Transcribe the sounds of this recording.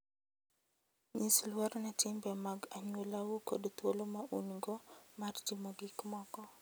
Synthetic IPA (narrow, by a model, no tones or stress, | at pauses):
ɲislwɔɾnatɪmbɛmaɡaɲwolawoko̰dt̪wolomaʔunɡɔmard͡ʒɪmɔɡɪkmɔkɔ